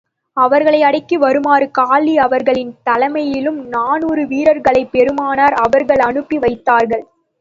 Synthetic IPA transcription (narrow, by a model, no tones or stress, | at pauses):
ɐʋɐɾɣɐɭɐɪɐɽɐɪkːɯʋɐɾɯmaːɾɯkaːliɐʋɐɾɣɐɭɪnt̪ɐlɐmɐjɪlɯmnaːnuːɾɯʋiːɾɐɾɣɐɭɐɪpːɛɾɯmaːnaːɾɐʋɐɾɣɐɭɐɳɯpːiʋɐɪt̪ːaːɾɣɐɭ